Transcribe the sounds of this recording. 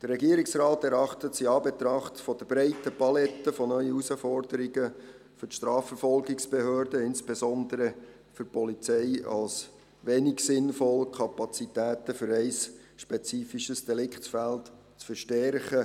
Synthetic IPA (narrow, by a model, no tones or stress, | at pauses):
d̥ərːɛɡiəɾɪksrɑːtɛɾɑχtətsiɑːbɛt̪ɾɑχtfɔd̥əbɾɛɪtəpɑlɛtːəfɔnœʏəusəfɔrdəɾiɡə | fʏtʃtrɑːfəɾfɔlɡɪksb̥ehøːrdəɪnsb̥esɔndəɾə | fɵɾpʰɔlit͡sɛɪɑ̰ls | ʋeːniksɪnfɔlkʰɑpɑt͡sitæːtəfʏɾɛɪs | ʃpɛt͡siːfiʃəsd̥ɛlɪkχtfælt | t͡sfəɾʃtɛrχə